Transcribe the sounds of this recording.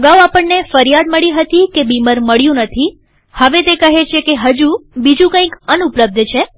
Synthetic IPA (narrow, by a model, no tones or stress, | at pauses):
əɡauapəɳːefəɾjad̪məɭiɦət̪ikebiməɾməɭjũnət̪ʰi | həʋet̪ekəɦet͡ʃʰekeɦəd͡ʒubid͡ʒũkə̃ĩkənupləb̚d̪t͡ʃʰe